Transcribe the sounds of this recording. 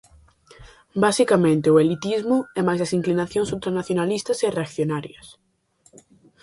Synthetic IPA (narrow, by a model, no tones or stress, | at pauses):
basikamẽnt̪ɪʊelit̪izmʊɛmajzɐsiŋklinaθjõŋsult̪ɾanaθjonalist̪ɐsereakθjonaɾjɐs